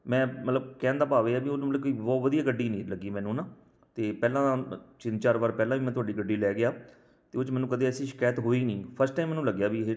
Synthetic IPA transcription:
mɛ̃ːmət̪ləb̚kɛ̃ːnd̪aːpaːʋeːaːbiːʊnːmələb̚koiːbɔːʋəd̪ijaːɡəɖːiːnĩːləɡːiːmɛ̃ːnũːnaː | t̪eːpɛːlãːt͡ʃɪ̃nt͡ʃaːɾʋəːɾpɛːlãːʋiːmɛ̃ːt̪ʊaːɖiːɡəɖːiːlɛːɡɪjaː | t̪eːʊt͡ʃmɛ̃ːnũːkəd̪eːəsĩːʃɪ̥kaːjət̪ɦoːiːniːpʰəɾsʈaːimːɛːnũːləɡjaːbiːɦe

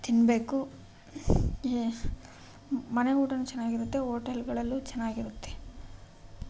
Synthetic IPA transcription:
t̪inbe̞ːku | mɐneuːʈɐnːut͡ʃɛnːaːɡiɾut̪ːe̞ɦoːʈɐlɡɐɭɐlːut͡ʃɛnːaːɡiɾut̪ːe

